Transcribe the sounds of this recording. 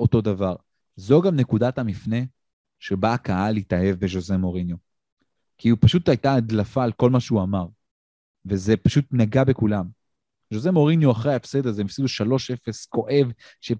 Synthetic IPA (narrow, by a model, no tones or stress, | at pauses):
ʔo̞to̞d̪avaʁ | zoɡamne̞kud̪athamifne̞ | ʃebaːkaalitahe̞vbe̞ʒoze̞mo̞ʁinjo | kiupaʃutajtaadlafaːlko̞lmaʃeuamaʁ | veze̞paʃutnaɡabe̞kulam | ʒoze̞mo̞ʁinjoaχʁeaefsed̪azemafsid̪uʃalo̞ʃe̞fe̞sko̞ʔe̞v | ʃe